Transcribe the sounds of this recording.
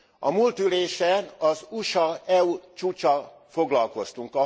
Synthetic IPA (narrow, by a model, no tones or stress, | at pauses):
ɒmuːlt̪yleːʃɛnɒzuʃɒɛut͡ʃuːt͡ʃɒ | fo̞ɡlɒlko̞st̪uŋkɒ